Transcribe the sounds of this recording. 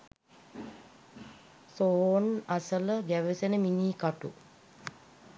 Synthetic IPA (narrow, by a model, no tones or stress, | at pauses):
soːnasələɡæʋəsenəminiːkaʈṵ